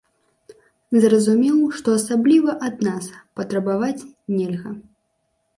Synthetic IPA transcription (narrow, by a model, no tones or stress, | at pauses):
zrɐzumʲɛwʂt̪ɔɐsablʲivɐʔad̪̚naspɐt̪ɾɐbavat͡sʲnʲɛlʲɣɐ